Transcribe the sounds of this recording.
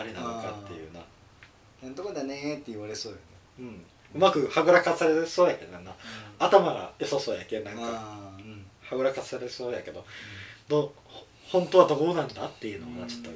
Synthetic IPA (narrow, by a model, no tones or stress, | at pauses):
aɾʲinao̞kat̪ːe̞jɯ̟̰ːna | nãnt̪okod̪anet̪ːeiβaɾe̞soːjone | ɯ̟̃ɴ | ɯ̟makɯ̟haɡɯ̟ɾakat͡sɨ̥saɾe̥soːjake̞d̪oãnaat̪amaɡa̰jososoːjakenãŋkaɯ̟̃ɴhaɡɯ̟ɾakat͡sɨ̥saɾesoːjake̞d̪o̞d̪o | h | hõnt̪o̞βad̪o̞ɡoːnãnd̪at̪ːe̞jɯ̟ːno̞̰at͡ɕo̥t̪ːo